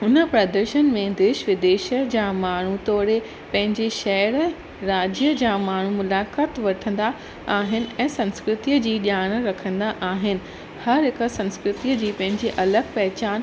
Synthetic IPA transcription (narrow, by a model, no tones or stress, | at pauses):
ʊnə̆pɾɐd̪əɾʃənmẽd̪eːʃʋɪd̪eːʃəd͡ʑaːmaːɳ̤ut̪ɔːɾe | pɐ̃ɦɪ̃ɲd͡ʑeʃɛɾ | ɾaːd͡ʑjəd͡ʑaːmaːɳ̤umʊlaːkaːt̪ʋɐʈʰə̃nd̪a | aːɦɪnɪ̆ɛ̃ːsɐ̃nskɾɪt̪iːəd͡ʑiːɗjaːɽ̃ɾɐkʰə̃nd̪aʔaːɦɪnɪ̆ | hɐɾɦɪk̆sɐ̃nskɾɪt̪iːəd͡ʑiːpɐ̃ɦɪ̃ɲd͡ʑeʔɐləɡ̚pɛɦɪt͡ɕaːn